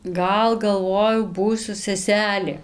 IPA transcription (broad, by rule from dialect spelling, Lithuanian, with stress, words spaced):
ˈɡɐlˠ ɡɐlˠˈʋoːjɛʊ ˈbuːsʲʊ sʲɛˈsʲæːlʲeː